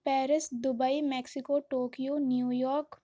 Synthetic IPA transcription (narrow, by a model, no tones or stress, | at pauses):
pɛːɾɪsd̪ʊbaimɛːksɪkoːʈoːkijoːnjuːjɔːɾk